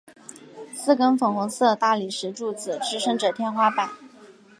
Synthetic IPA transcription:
sɹ̩˥˩kə˥nfɤ˨˩ŋxʊ˧˥ŋsɤ˥˩ə˩t̪a˥˩li˨˩ʂɻ̩˧˥ʈ͡ʂu˥˩t͡sɹ̩˨˩ʈ͡ʂɻ̩˥ʂɤ˥ŋʈ͡ʂɤ˨˩t̪ʰjɛ˥˧nxwa˥pa˨˩˦n

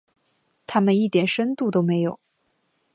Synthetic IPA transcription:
t̪ʰa˥mə˨ni˥˩t̪jɛ˨˩nʂə˥nt̪u˥˩t̪o˥ʊme˧˥ɪjo˨˩˦ʊ

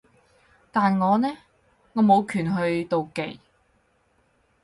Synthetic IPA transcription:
t̪aː˨nŋɔː˨˧nɛː˥ | ŋɔː˨˧mo˨˧wkʰyː˨˩nɦɵ˧ɥt̪o˨wke˨j

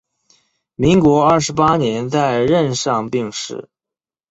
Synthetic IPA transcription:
mi˧˥ŋkwɔ˧˥ɐ˥˩ʂɻ̩˧˥pa˥njɛ˧˥nt͡sa˥˧ɪɻə˥˧nʂɑ˥˧ŋpi˥˧ŋʂɻ̩̰˥˩

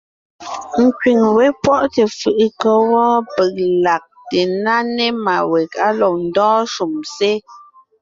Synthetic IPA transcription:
ŋ̩˨kɥi˨ŋwe˦pwɔ˦ʔte˨fɯ˨ʔkɔ˦wɔ˦pə˨k̚la˨k̚te˨na˦ne˦ma˨wɛ˨ka˦lɔ˨kn̩˨dɔ̃ː˦ʃu˨mse˦

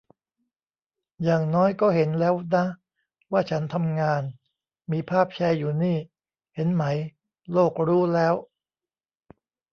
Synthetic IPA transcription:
jaː˨˩ŋnɔː˦˥jkɔː˥˩he˩˦nlɛː˦˥wna˦˥ | waː˥˩t͡ɕʰa˦˥nt̪ʰa˧mŋaː˧n | miː˧pʰaː˥˩p̚t͡ɕʰa˧jːuː˨˩niː˥˩ | he˩˦nma˦˥j | loː˥˩k̚ɾuː˦˥lɛː˦˥w

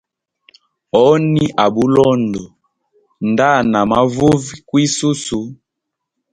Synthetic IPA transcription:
ɔ˦ni˦ʔa˨bu˦lɔ˦ndɔ˨ | nda˦˨na˨ma˨˦vu˦vi˦kwi˦su˦su˨˦

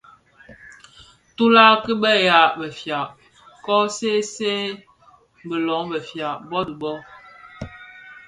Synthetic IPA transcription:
tu˦la˦ki˦bɛ˦˨ja˨˦bə˨fja˨ʔ | kɔ˦se˦se˦ | bə˨lɔ˨˦bə˨fja˨bɔ˦di˨bɔ˦

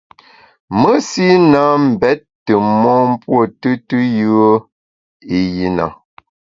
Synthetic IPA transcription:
mə˦si˦na˨˦m̩˨bɛ˨˦t̚ːə˨mɔː˦m̩˦pwo˦˨tɨ˦tɨ˦jʉ˦ə˦ | i˨ji˨na̰˨

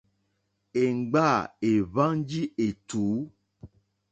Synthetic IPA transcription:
e˨ŋ̩˨ɡ͡ba˦˨e˨βa˦ŋ˦d͡ʒi˦ʔe˨t̪u˨˦

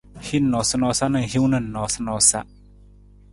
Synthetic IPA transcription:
hi˦nːɔ˨sə˧˨nɔ˧sa˦ʔna˧˨hi˦wna˧˨nːɔ˨sa˧nɔ˨˧sa̰˦ʔ

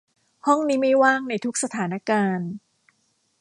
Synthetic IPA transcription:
hɔ˥˩ŋniː˦˥ma˥˩jwaː˥˩ŋna˧jt̪ʰu˦˥k̚sa˧t̪ʰaː˩˦na˦˥kaː˧n

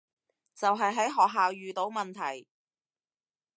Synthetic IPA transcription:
t͡sɐ˨wɦɐ˨jɦɐ˨˥jɦɔː˨k̚ɦaː˨wjyː˨t̪o˨˥wmɐ˨nt̪ʰɐ˨˩j

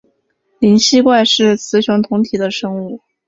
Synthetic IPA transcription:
li˧˥nɕi˥kwa˥˧ɪʂɻ̩˥˩t͡sʰɹ̩˧˥ɕjŋt̪ʰʊ˧˥ŋt̪ʰi˨˩d̪ə˦ʂɤ˥ŋu˥˩

